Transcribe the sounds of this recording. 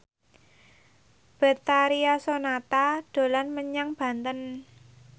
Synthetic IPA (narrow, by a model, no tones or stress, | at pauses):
b̥ət̪aɾiasonat̪ad̪̥o̤lanməɲaŋb̥ä̤nt̪ən